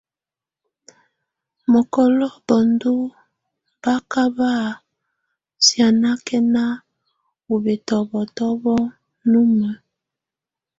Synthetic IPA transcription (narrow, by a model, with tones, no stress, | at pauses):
mɔ˨kɔ˨lɔ˦bɔ˨ndu˦ | mba˦ka˦βa˦˨ | sja˨na˦kɛ˦na˦ | u˨be˨tɔ˨bɔ˨tɔ˦βɔ˦ | nu˦mɛ˨